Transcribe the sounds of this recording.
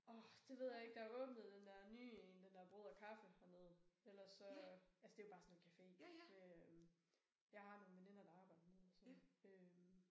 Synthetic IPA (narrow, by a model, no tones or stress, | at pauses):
ɒ̽d̥e̝ʋe̝ð̞̰ˠjɑ̈e̝ɡ̥̚d̥ɑ̈æɐɔ̽ːb̥nəð̞̩ˠd̥end̥æɐnyːnd̥end̥æɐb̥ʁo̝ðˠɐkʰɑfəɒneð̩ˠelɐsɒ̽ælsəd̥e̝jobɑ̈ːsɒ̽nenkʰæfe̝̰ːøm | jɑ̈ɪhɑ̈no̝ːn̩ʋeninɐd̥ɑ̈ɑ̈ːb̥ɑ̈ɪd̥əneð̰ˠɒsɔøm